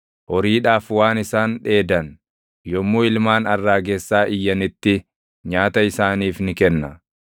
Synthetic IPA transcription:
ʔɔɾiːᶑaːfwaːnɪsaːnᶑe̞ːd̪ɐn | jɔmːuːɪlmaːnɐrːaːɡesːaːʔɪjːɐnɪt̪ːɪ | ɲaːt̪ɐɪsaːniːfnɪkɛnːɐ

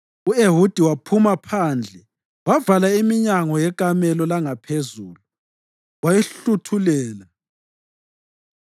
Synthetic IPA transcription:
ueɦud̥ʱiwapʰumapʰand͡ɮʱɛ | wavalaimiɲaŋɔjɛkʼamɛlɔlaŋapʰezuːlu | wajɛɬutʰulɛːla

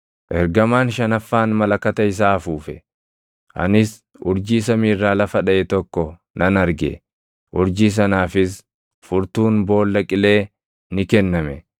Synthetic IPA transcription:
ʔɛɾɡɐmaːnʃɐnɐfːaːnmɐlɐkɐt̪ɐɪs̬aːfuːfɛ | ʔɐ̰nɪs | ʊɾd͡ʒiːs̬ɐmiːrːaːlɐfɐᶑɐʔɛt̪ɔkːɔ | nɐnɐɾɡɛ̰ | ʔʊɾd͡ʒiːs̬ɐnaːfɪs̬ | fʊɾt̪uːnbo̞ːlːɐkʼɪle̞ː | nɪkɛnːɐmɛ

